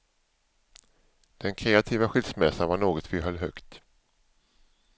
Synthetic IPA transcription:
d̪̥ɛnkʰɾeat̪ʰiːvaɧɪlsmɛsːanvaɳoːɡɔt̪vɪɦœlːɦœkt̪

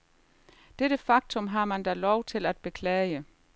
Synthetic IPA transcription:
d̥eɾ̥əfɑ̈ɡ̥̚t͡sʰɔ̽mɦɑ̈mænd̥ælɒʊt͡sʰe̝læd̥̚b̥e̝kʰlɛːɪə

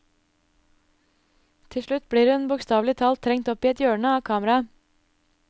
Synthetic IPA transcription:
t̪ʰɪʃɭʉt̪bɽiːɾhʉnbʊkst̪ɑːʋlɪt̪ʰɑːlt̪ʰɾɛŋt̪ɔpiːɛt̪jøːɳəɑːkʰɑːməɾɑ

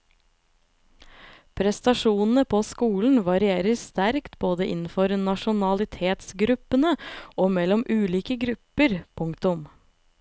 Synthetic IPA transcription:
pʰɾɛst̪ɑʂuːnn̩əpʰoːskuːln̩ʋɑɾɪeːɾəɾst̪æɾkt̪boːd̪əʔɪ̰nn̩fɔɾnɑʂʊnɑlɪt̪ʰeːt̪sɡɾʉpːənəoːmɛlːɔmʔʉːliːkəɡɾʉpːəɾpʰʊŋkt̪ʊm

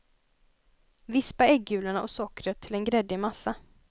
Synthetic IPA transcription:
vɪspaɛɡjʉ̟ːlaɳaɔsɔkːɾət̪ʰːɪlɛnɡɾɛd̪ːɪmasːa

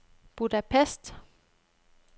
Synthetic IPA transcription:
b̥udæpʰesd̥

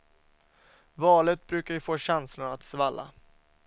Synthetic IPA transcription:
vɑːlət̪̚bɾʉ̟ːkaɾjɵfoːɕanslʊɾat̪svalːa̰

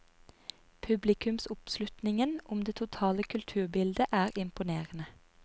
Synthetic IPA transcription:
pʰʉblɪkʉmsʊpslʉt̪nɪŋənʊmd̪eːt̪ʰʊt̪ʰɑːləkʰʉlt̪ʰʉːʁbɪld̪əʔæːʁɪmpʊneːʁənə

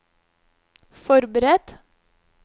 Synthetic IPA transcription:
fɔɾbəɾɛt̪

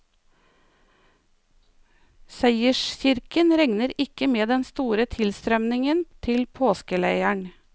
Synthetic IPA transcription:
sæɪəʃçɪɾkənɾɛŋnəɾɪkəmeːd̪ɛnst̪uːɾət̪ʰɪlst̪ɾœmnɪŋənt̪ʰɪlpʰoːskəlæɪæɳ

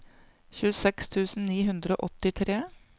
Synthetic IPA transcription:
çʉːəsɛkst̪ʰʉːsn̩niːɦʉnd̪ɾəo̰ːʔɔt̪ɪt̪ʰɾeː

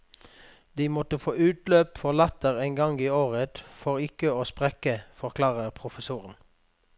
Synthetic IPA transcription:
d̪iːmɔt̪əfoːʉːt̪løːpfɔʁlɑt̪əʁeɪnɡɑŋɡiːoːʁət̪fɔʁɪkəoːspʁɛkəfɔʁkʰlɑːʁəʁpʰʁʊfəsuːʁən

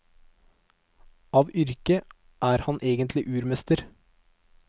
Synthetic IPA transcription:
ɑːʋʏɾkə | ʔæːɾhɑnʔeːɡənt̪lɪʔʉːɾmɛst̪əɾ

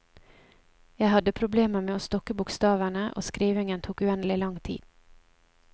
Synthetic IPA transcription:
jæɪɦɑd̪ːəpʰɾʊbleːməmeːɔst̪ɔkːəbʊkst̪ɑːʋəɳəʔo̰ːskɾiːʋɪŋənt̪ʰuːkʉːɛnd̪əlɪlɑŋt̪ʰḭːd̪̥

